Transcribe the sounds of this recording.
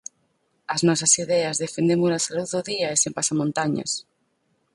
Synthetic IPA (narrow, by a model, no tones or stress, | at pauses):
ɐznɔs̬ɐsiðɛɐzðefend̪emunɐsaluððʊðiɐesempasamõnt̪aɲɐ̰s